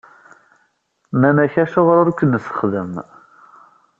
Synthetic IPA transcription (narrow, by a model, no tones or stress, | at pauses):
mænæçæʃoʁɾʊɾkʷːənːsə̥χðəm